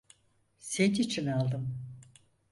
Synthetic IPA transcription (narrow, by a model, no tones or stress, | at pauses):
set̪it͡ʃʰinalˠd̪ɯm